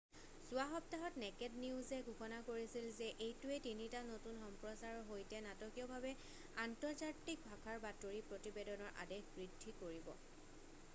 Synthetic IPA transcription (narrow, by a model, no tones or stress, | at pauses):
sʊaxɔp̚taɦɔtnɛkɛtniʊzɛɡʱukɔnakoɹisilzɛʔejtuɛtinitanotunxɔmpɹɔsaɹɔɦojtɛnatɔkijɔbʱabɛ | antɔɹzatːik̚bʱakʰaɹbatoɹipɹotibedɔnɔɹʔa̰dexbɹidʱːikoɹibɔ̰